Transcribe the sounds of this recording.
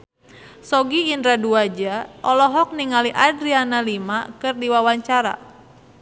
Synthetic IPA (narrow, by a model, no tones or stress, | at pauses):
sɔɡiːndɾaduad͡ʒaʔɔlɔɦɔk̚niŋaliʔadɾianalimakɨrdiwawaɲt͡ʃaɾa̰